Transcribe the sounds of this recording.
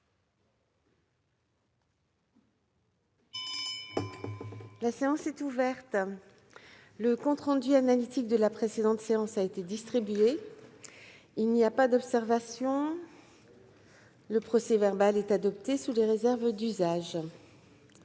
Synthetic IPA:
laseɑ̃sɛt̪uvɛʁt̪ | ləkɔ̃t̪χɑ̃d̪yanalit̪ik̚d̪əlapχesed̪ɑ̃t̪seɑ̃saet̪ed̪ist̪χibɥe | ilniapad̪ɔpsɛʁvasjɔ̃ | ləpχɔsɛvɛʁbalɛt̪ad̪ɔp̚t̪esuleʁezɛʁvd̪yzaʒ

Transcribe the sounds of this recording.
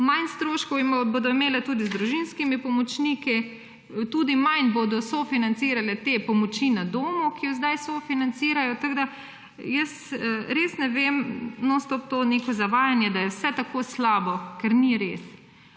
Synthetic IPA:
manst̪ɾoːʃkɔwimboːd̪ɔimeːlɛt̪uːd̪izd̪ɾuʒinskimipɔmɔt͡ʃniːki | t̪uːd̪imanboːd̪ɔsofinant̪siːɾalɛt̪epɔmɔt͡ʃinad̪oːmukijɔzd̪ajsofinant̪siːɾajɔt̪aɡd̪a | jəsɾeːsnɛʋemnɔst̪ɔp̚t̪onekɔzaʋaːjanjɛd̪ajɛwsɛt̪akoːslaːbɔkɛɾniɾeːs

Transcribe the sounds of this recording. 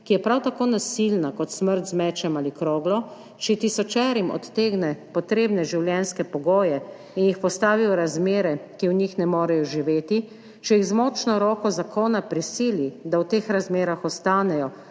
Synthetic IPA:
kijɛpɾawt̪akoːnasilnakɔt̪sməɾt̪zmɛːt͡ʃɛmalikɾoːɡlɔ | t͡ʃɛt̪isɔt͡ʃɛːɾimɔ̰t̪ːeːɡnɛpɔt̪ɾeːbnɛʒiwljɛnskɛpɔɡoːjɛ | injixpɔst̪aːʋiɔɾazmeːɾɛkiwɲixnɛmoːɾɛjɔʒiʋeːt̪i | t͡ʃɛjiɣzmɔːt͡ʃnɔɾɔːkɔzakʰoːnapɾisiːlid̪awt̪eːxɾazmeːɾaxɔst̪aːnɛjɔ

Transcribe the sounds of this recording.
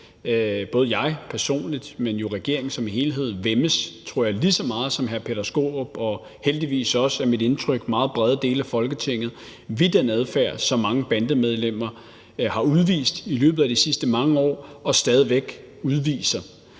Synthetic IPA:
b̥ɔ̽ːð̞̩ˠjɑ̈ɪpʰæɐso̝̰ːnlid̥menjo̝ʁɛɡ̥e̝ɐ̰eŋn̩sɒ̽mihe̝ːlɦe̝ð̞̰̩ˠʋeməst͡sʰʁo̝ɐ̰jɑɪlisɒ̽mɑ̈ːð̞̩ˠsɒ̽mɦæɐpʰeðæsɡ̥o̝̰ːb̥ɒ̽ | held̥iʋḭːsɒ̽sæɐmid̥e̝nt͡sʰʁœɡ̥mɑ̈ːð̞̩ˠb̥ʁɛð̞ˠd̥e̝ːlæfɒ̽lɡ̥ət͡sʰe̝ŋ̰ð̞̩ˠ | ʋid̥enæð̞ˠfæɐ̰sɒ̽mɑ̈ŋəb̥ænd̥əmeð̞ˠlem̰ɐ | hɑ̈uð̞ˠʋḭːsd̥ilø̰ːb̥ð̩ˠæd̥isisd̥əmɑ̈ŋəɒ̰ːɒ̽sd̥ɛːð̞ˠiʋeɡ̥ | uðˠʋḭːsɐ

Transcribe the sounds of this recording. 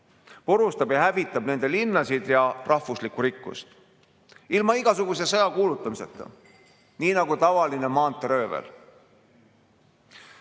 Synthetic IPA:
poɾust̪ɑbjɑhævit̪ˑːɑb̥ne̞nd̪̥e̞linːɑsid̪̥jɑrɑhvuslikuɾikːṵst̪ | ilmɑiɡ̥ɑsuɡ̥us̬e̞sɤjɑkuːlut̪ˑːɑmise̞̰t̪ːˑɑ̰ | niːnɑɡ̥ut̪ɑvɑline̞mɑːnt̪ːˑeɾø̞ːvḛl

